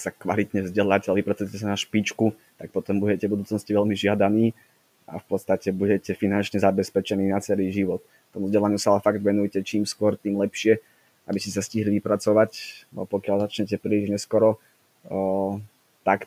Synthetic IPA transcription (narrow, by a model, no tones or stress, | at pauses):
sakʋa̰lit̪ɲɛvzɟɛlaːcɛalɛʋipɾat͡sujcɛs̬anaʃpit͡ʃkut̪ak̚pɔt̪ɔmbuɟɛcɛbud̪uːt͡snɔsciʋɛlmiʒɪad̪aniː | a̰fpɔt̪st̪acɛbuɟɛcɛfinant͡ʃɲɛzabɛspɛt͡ʃɛniːnat͡sɛliːʒiʋɔt̪ | t̪ːɔmuvzɟɛlaɲɪusaalɛfaɡd̪ʋɛnujcɛt͡ʃiːmskʊɔɾt̪iːmlɛpʃɪɛ | ʔabiscʲɛsasciɦliʋipɾat͡sɔʋacpɔkɪalzat͡ʃɲɛc̬ɛpɾiliʒɲɛskɔɾɔ | t̪ak